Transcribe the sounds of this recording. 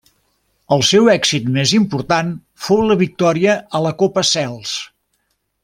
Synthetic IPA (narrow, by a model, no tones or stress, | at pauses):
əlˠsɛwɛksit̪mezimpuɾt̪an | fowləβik̚t̪ɔɾiəʔələkopəsɛlˠs